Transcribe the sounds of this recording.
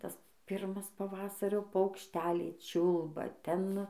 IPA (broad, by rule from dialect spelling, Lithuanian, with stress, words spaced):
ˈtɐs ˈpʲɪrmɐs pɐˈʋɑːsɐrʲoː pɐʊkʃʲˈtʲæːlʲɛɪ ˈt͡ʃʲʊlˠbɐ ˈtʲɛn